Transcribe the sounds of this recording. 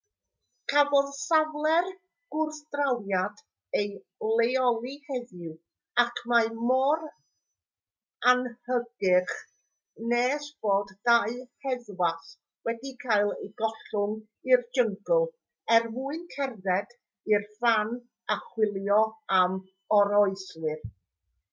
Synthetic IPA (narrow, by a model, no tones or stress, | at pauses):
kʰavɔðsavlˠɛr | ɡ̥ʊrθdrawjad | ej | lˠejɔlˠihɛðɪw | akʰmajmɔr | anhəɡɪχ | neːsb̥oːdːaɨhɛðwas | wɛdikʰaɨlˠejɡɔɬʊŋ | ird͡ʒəŋɡʊlˠ | ɛrmuɨnkʰɛrðɛd | irfan | aχwɪlˠjɔam | ɔɾɔɨslɨr